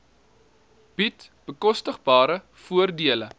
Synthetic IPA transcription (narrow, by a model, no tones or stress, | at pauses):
b̥it | b̥əkɔstəχbɑːɾə | fuərdiələ